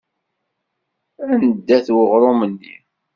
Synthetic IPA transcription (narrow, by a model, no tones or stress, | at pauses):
ænəd̪ːæθwəʁɾˤomənːḭ